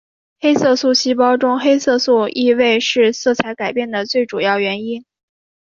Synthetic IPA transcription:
xe˥ɪsɤ˥˧su˥˩ɕi˥p̬ɑ˥ʊʈ͡ʂʊ˥ŋxe˥ɪsɤ˥˧su˥˧i˥˧we˥˧ɪʂɻ̩˥˧sɤ˥˩t͡sʰa˧˥ɪka˨˩ɪpjɛ˥˩nd̪ə˩t͡swe˥˩ɪʈ͡ʂu˨˩jɑ˥˩ʊɥɛ˧˥ni˥n

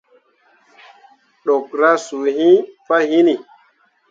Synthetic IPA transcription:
ɗo˨kɾa˦su˨hĩ˦fa˦hi˦ni˨

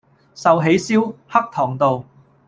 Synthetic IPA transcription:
sɐ˨wɦe˨˥jsiː˥whɐ˥k̚t̪ʰɔː˨˩ŋt̪o˨w

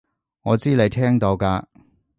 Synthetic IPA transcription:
ŋɔː˨˧t͡siː˥le˨˧jt̪ʰɛː˥ŋt̪o˧wkaː˧

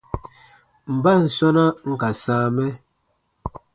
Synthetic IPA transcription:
m̩˨ba˦˨n̩˨sɔ˦na˦ŋ̩˦ka˨sãː˦mɛ˦

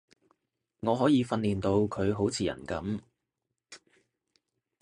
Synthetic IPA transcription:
ŋɔː˨˧ɦɔː˨˥jiː˨˧fɐ˧nliː˨nt̪o˧wkʰɵ˨˧ɥɦo˨˥wt͡sʰiː˨˧jɐ̰˨˩nkɐ˨˥m

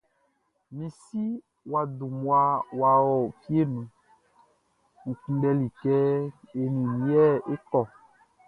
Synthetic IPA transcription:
mĩ˨si˦ | wa˧du˨mu˦a˧wa˨wɔ˦˨fi˦e˦nũ˨ | ŋ̩˨k͡pũ˦dɛ˧li˨kɛ˦e˨nĩ˨nĩ˨˦ɛ˦˨e˦kɔ˦˨

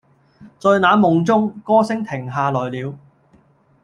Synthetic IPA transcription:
t͡sɔː˧naː˨˥nmʊ˨ŋt͡sʊ˥ŋkɔː˥sɪ˥ŋt̪ʰɪ˨˩ŋɦaː˨˧lɔː˨˩jliː˨˧w

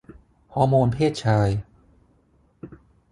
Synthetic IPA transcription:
hɔː˩˦˥moː˧npʰeː˥˩t̪̚t͡ɕʰaː˧j

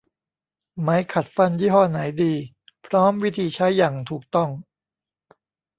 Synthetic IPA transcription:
ma˦˥jkʰa˨˩t̪̚fa˧njiː˦˥ɦɔː˧˩na˩˦jdiː˧ | pʰɾɔː˦˥mwi˦˥t̪ʰiː˧t͡ɕʰa˦˥jːaː˨˩ŋt̪ʰuː˨˩k̚t̪ɔ˥˩ŋ

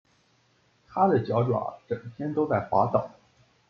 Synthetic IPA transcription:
t̪ʰa˥d̪ə˨t͡ɕjɑ˧˥ʊʈ͡ʂwa̰˨˩˥ʈ͡ʂə˨˩ŋt̪ʰjɛ˥nt̪o˥ʊt͡sa˥˩ɪxwa̰˧˥t̪ɑ˨˩˦

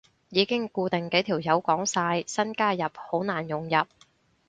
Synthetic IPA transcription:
jiː˨˧˥kɪ˥ŋkuː˧t̪ɪ˨ŋke˨˥jt̪ʰiː˨˩wjɐ˨˥wkɔː˨˥ŋsaː˧jsɐ˥nkaː˥jɐ˨p̚ho˨˥wnaː˨˩njʊ˨ŋjɐ˨p̚

